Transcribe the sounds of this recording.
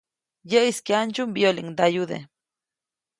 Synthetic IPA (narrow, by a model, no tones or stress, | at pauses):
jəʔiskeant͡ʃumbjoliŋd̪ajud̪ḛ